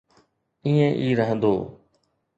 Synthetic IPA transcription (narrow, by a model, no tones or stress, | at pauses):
iːẽːʔiːɾəɦə̃nd̪oː